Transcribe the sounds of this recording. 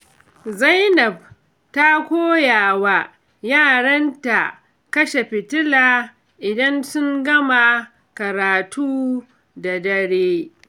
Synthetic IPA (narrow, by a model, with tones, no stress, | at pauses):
za˦jnɐ˨b̚ | ta˦kʷoː˦jaː˨wa˦ | jaː˦˨ɽɐ˦nta˨ | kɐ˦ʃe˨ɸɪ˨tɪ˦laː˨ | ʔɪ˨dɐ˦nsʊ˦ŋɡɐ˦ma˨ | kɐ˨ɾaː˨tuː˦ | da˨dɐ˦ɽeː˦